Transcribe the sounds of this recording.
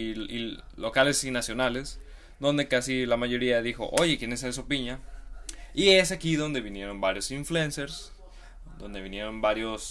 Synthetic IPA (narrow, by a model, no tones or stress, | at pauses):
ilo̞kale̞sinasjo̞nale̞s | ðo̞nd̪e̞kasilamaʝo̞ɾiaðixo̞̰ʔo̞ʝe̞kje̞nes̬aes̬opiɲa | ie̞s̬akiðo̞nd̪e̞βinje̞ɾo̞mbaɾjosiɱflue̞nse̞ɾs | d̪o̞nd̪e̞βinje̞ɾo̞nbaɾjo̞s